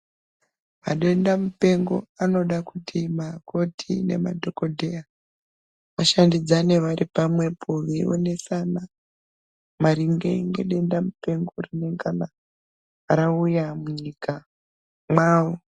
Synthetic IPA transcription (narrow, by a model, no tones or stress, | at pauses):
ma̰ɗe̞ndamupe̞ŋɡo̞̰ano̞ɗakutʰimako̞tʰine̞̰ma̰dʱo̞ko̞dʱe̞a | ʋaʃandid͡zane̞ʋaɾipamwe̞pʰoʋio̰ne̞sana | maɾiŋɡe̞̰ŋɡe̞̰ɗe̞ndamupe̞ŋɡorine̞ŋɡana | aɾaujamuɲika | mwaːwo